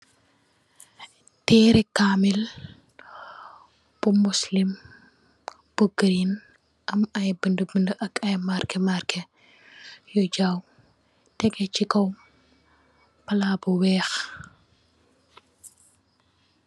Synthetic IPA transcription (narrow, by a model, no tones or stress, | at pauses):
tɛːɾɛkamil | b̥umuslim | b̥uɡɾin | ʔɐmɐjbəndəbəndəʔɐkɐjmarkɛmarkɛ | jɔɟaːw | tɛɡɛt͡ʃikɔw | pɐlaːbuwɛːx